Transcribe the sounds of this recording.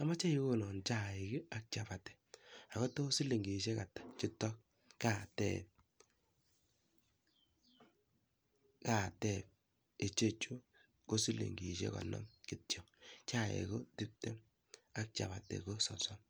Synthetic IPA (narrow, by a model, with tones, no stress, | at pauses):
a˨ma˦t͡ʃa˦i˦ko˦nɔ˨nt͡ʃa˦˨ɪ˨kɪ˦a˦k̚t͡ʃa˨pa˨tɛ̥˨a˨kɔ˦to˦si˦li˨ŋɡi˨ʃ̬e˦ka˨tḁ˨t͡ʃi˦tɔ˦k̚ | ka˨tɛ̰˦p̚ | ka˨tɛ˦˨p̚ | e˨t͡ʃe˦t͡ʃu˦ | ko˦si˦lḭ˨ŋɡi˨ʃḛ˦kɔ̰˨nɔ̰˦mki˨tjɔ˨t͡ʃa˦ḛ˨ko˦ti˦p̚tɛ˦ | a˦k̚t͡ʃa̰˨ba˨tɛ̰˨ko˦sɔ˨sɔ˦m